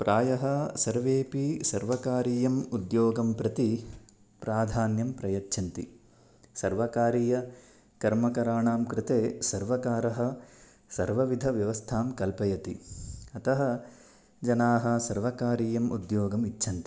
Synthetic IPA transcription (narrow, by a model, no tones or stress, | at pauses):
pɾʔaːjɐɦɐ̆sɐɾʋeːpisɐɾʋɐkaːɾiːjɐmud̪joːɡɐmpɾɐt̪i | pɾaːd̪ʱaːnjɐmpɾɐjɐt͡ʃːʃʰɐnt̪ḭ | sɐɾʋɐkaːɾiːjɐ | kɐɾmɐkɐɾaːɳaːmkɾɪt̪eːsɐɾʋɐkaːɾɐɦɐ̆ | sɐɾʋɐʋid̪ʱɐʋjɐʋɐst̪ʰaːmkɐlpɐjɐt̪ḭɐt̪ɐɦɐ | d͡ʒɐnaːɦɐ̆sɐɾʋɐkaːɾiːjɐmṵd̪joːɡɐmit͡ʃːʃʰɐnt̪i